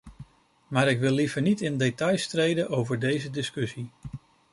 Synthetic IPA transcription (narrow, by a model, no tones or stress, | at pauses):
maːɾɪkʋɪlˠːivəɹnitɪndetɑjstrejdənʔowvəɹdejzədɪskɵsi